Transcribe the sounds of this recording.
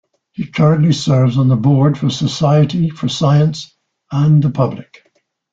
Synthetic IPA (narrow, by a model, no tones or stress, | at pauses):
hikʰɜɹɨ̃nʔlisɜ˞vzn̩ðəbɔɹd̥fə˞səsaɪɨɾifə˞saɪə̃ns | ə̃nðəpʰʌblɪk